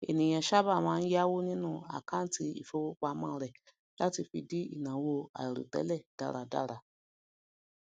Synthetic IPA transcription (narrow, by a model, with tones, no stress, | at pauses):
e˨nĩ˨j̃ã˨ʃa˦ba˦˨mãː˦˧n̩˦ja˦wo˦nĩ˦nũ˦˨a̰˨kã˦n̩˦ti˧ḭ˨fo˧wo˧k͡pa˧˦mãː˦˨˦ɾɛ˨ | la˦ti˧fi˧di˦ḭ˦˨nã˨wo˧a̰˨i˨ɾṵ˨tɛ̰˨˦lɛ˦˨d̥a̰˦˨ɾa˨da̰˦˨ɾa˧˨